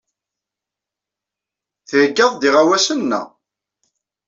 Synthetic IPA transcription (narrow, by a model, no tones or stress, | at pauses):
θəʕəɡːɑðˤd̪iʁawæsənːæ̰